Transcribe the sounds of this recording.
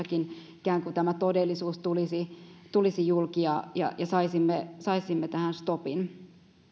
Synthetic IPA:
ɑkinikæːŋkut̪æmæt̪odelːisuːst̪ulisit̪ulisijulkijɑjɑ̰jɑsɑisimːesɑisimːet̪æhænst̪opin

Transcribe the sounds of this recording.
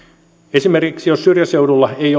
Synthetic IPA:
esimerkiksijossyrjæsewdulːɑej

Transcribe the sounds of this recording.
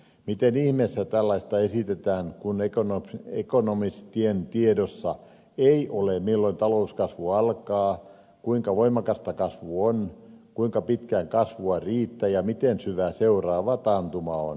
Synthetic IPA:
mit̪enihmesːæt̪ælːɑist̪ɑesit̪et̪æːŋkunekonoekonomist̪ient̪iedosːɑ | eiʔolemilːoint̪ɑlouskɑsʋuɑlkɑː | kuiŋkɑʋoimɑkɑst̪ɑkɑsʋuonkuiŋkɑpit̪kæŋkɑsʋuɑriːt̪ːæjɑmit̪ensyʋæseurɑːʋɑt̪ɑnt̪umɑo̰n

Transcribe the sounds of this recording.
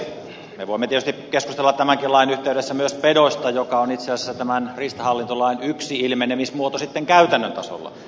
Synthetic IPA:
meʋoˑimːet̪iet̪yst̪ikeskust̪elːɑt̪t̪æmæŋkilɑinyht̪eydesːæmyøspedost̪ɑjokɑonit̪seɑlsesːæt̪æmænrist̪ɑhɑlːint̪olɑinyksiilmenemismuot̪osit̪ːeŋkæyt̪ænːønt̪ɑ̰so̰lːɑ̰

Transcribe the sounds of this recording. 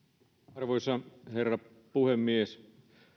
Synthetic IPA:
ɑrʋojsɑherːɑ | puhemːies

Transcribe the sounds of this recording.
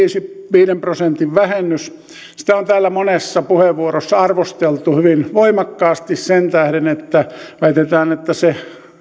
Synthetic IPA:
iːsiʋiːɾemprosent̪iʋʋæhenːys | si̥t̪æont̪æːlːæmonesːɑpuheʋʋuorosːɑɑrʋost̪elt̪uhyʋinʋoimɑkːɑːst̪issent̪æhɾenet̪ːæʋæit̪et̪æːnet̪ːæse

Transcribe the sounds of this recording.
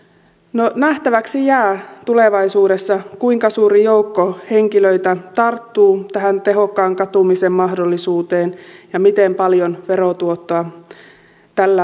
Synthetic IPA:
nonæht̪æʋæksijæːt̪ule̞ʋɑisuːɾesːɑkuiŋkɑsuːɾijoukːohe̞ŋkiløit̪æt̪ɑrt̪ːuːt̪æɦænt̪eɦo̞kːɑːŋkɑt̪umisemːɑhdolːisuːt̪e̞ːnjɑmit̪empɑljonʋe̞ɾot̪uot̪ːoɑ | t̪ælːæ

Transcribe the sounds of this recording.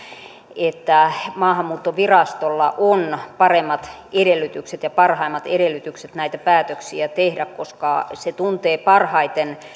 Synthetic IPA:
et̪ːæmɑːhɑmːuːt̪ːoʋirɑst̪olːɑ̰ʔonpɑremːɑt̪ | eɾelːyt̪ykset̪jɑpɑrhɑimːɑt̪eɾelːˑyt̪ykset̪næit̪æpæːt̪øksiæt̪ehdækkoskɑ̰set̪unt̪eːpɑrhɑit̪en

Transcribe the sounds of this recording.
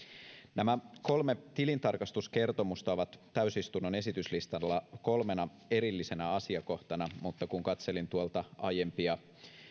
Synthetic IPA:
næmæko̞lme̞t̪ilint̪ɑrkɑst̪uske̞rt̪o̞must̪ɑoʋɑt̪ːæysist̪unːone̞sit̪yslist̪ɑlːɑko̞lme̞nɑ | e̞ɾilːise̞næɑsiɑko̞ht̪ɑnɑmut̪ːɑkuŋkɑt̪se̞lint̪uolt̪ɑɑje̞mpiɑ

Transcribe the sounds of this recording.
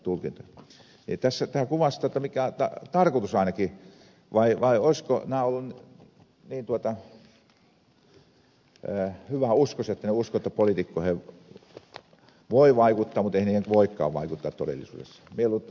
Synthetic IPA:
t̪ulkint̪o | nḭt̪æsːæt̪æːkuʋɑst̪ɑˑt̪ːɑmikæt̪ɑt̪ɑrkot̪usɑˑinɑki | ʋɑiʋɑioisko̰næːolːunn | niːnt̪uot̪ɑ | əːhyʋæuskoset̪ːæneuskoet̪ːæpolit̪ikːohe | ʋoiʋɑikut̪ːɑːmut̪eihæniːheŋkʋoikːɑ̰ːʋʋɑ̰ikut̪ːɑːt̪t̪o̰dḛlːˑḭsṵːdḛsːɑ̥mielːu

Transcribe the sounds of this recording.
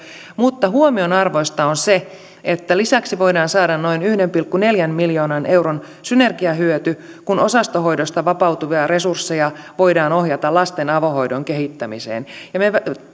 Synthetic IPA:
mut̪ːɑɦuomionɑrʋoist̪ɑonse | et̪ːælisæksiʋoidɑːnsɑːdɑnnoinyhdempilkːuneljænmiljoːnɑnʔe̞wron | synerɡiɑɦyøt̪y | kunosɑst̪oɦo̞idost̪ɑʋɑpɑuwt̪uʋiɑresursːejɑʋoidɑːnohjɑt̪ɑlɑst̪enɑʋohoidoŋkehit̪ːæmisḛːnjɑmeʋ

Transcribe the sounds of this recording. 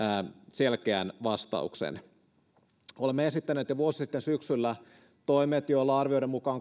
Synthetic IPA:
selkeænʋɑst̪ɑ̰uksḛn | olemːeesit̪ːæneːt̪jɑʋuosi̥sit̪ːensyksylːæ | t̪oimet̪joolːɑrʋioiɾemmukɑːŋ

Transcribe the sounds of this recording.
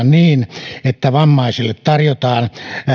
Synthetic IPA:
nniːnet̪ːæʋɑmːɑisilːet̪t̪ɑrjot̪ɑːn

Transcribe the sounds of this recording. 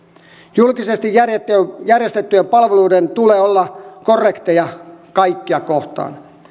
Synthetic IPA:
julkisest̪ijæret̪ːjærjest̪et̪ːyempɑlʋeluːdent̪uleːolːɑkorːekt̪ejɑkɑikːiɑkoht̪ɑ̰ːn

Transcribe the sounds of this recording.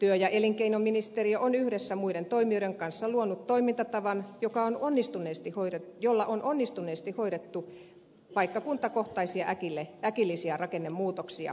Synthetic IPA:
t̪yøjɑʔeliŋkeinomːinist̪erioʔonyhɾesːæmuiɾent̪oimioɾeŋkɑnsːɑluonut̪toimint̪ɑt̪ɑʋɑnjokɑononːist̪unˑeˑːst̪ihoiɾetjolːɑʔonʔonːist̪uneːst̪ihoiɾet̪ːu | pɑikːɑkunt̪ɑkoht̪ɑisiɑʔækilːeækilːisiɑrɑkenːemmuːt̪oksiɑ̰

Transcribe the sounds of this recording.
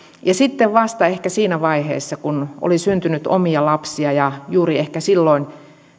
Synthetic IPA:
jɑsit̪ːeʋʋɑst̪ɑehkæsiːnæʋɑihḛːsːɑkuno̰lisynt̪ynyt̪o̰miɑlɑpsiɑjɑjuːriehkæsilːoin

